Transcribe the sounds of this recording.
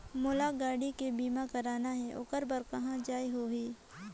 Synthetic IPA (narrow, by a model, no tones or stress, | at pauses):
mʊlaɡaːɽikebiːmakɐɾaːnaɦɛʔʊ̰kəɾbəɾkɐɦãd͡ʒaːiɦoːɦiː